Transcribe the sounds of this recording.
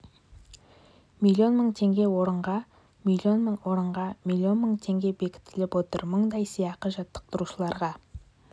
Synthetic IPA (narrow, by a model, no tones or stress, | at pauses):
mʲilʲːio̞nməɴt̪ʰe̞ŋɡʲe̞wo̞ɾəɴʁɑ | milʲio̞nməɴwo̞ɾəɴʁɑmʲilʲˠːio̞nməɴt̪ʰe̞ŋɡʲe̞be̞kʲɪ̥t̪ːɪlɪpwo̞t̪ə̰ɾməɴd̪ɑjsijɑqəʒɑt̪ːə̥q̚t̪əɾuʃəlˠɑɾʁɑ